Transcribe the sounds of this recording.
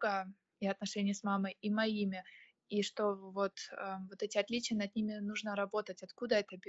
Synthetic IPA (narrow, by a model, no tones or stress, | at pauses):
ɡə | iɐt̪̚nɐʂɛnʲɪjsmamɨjimɐimʲɪ | iʂt̪o̞vo̞t̪əvo̞t̪ɛtʲɪɐt̪lʲit͡ɕɪjənɐd̪nʲimʲɪnuʐnəɾɐbo̞t̪ətʲɐt̪kud̪əɛt̪əbʲ